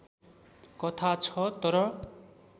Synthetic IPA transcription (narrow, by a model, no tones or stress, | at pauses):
kʌt̪ʰat͡sʰʌt̪ʌɾʌ